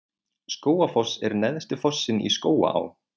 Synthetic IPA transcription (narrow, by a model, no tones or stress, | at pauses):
skoːwafɔsɛɾnɛðst̪ɪfɔsːɪnḭskoːwa̰a̰w